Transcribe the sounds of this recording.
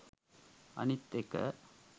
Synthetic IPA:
ɐ̰nit̪ːekɐ̰

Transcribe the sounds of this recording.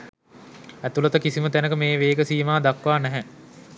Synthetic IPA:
æt̪ulət̪əkisimət̪ænəkəmeːʋeːɡəsiːmaːd̪akʋaːnɛɦɛ

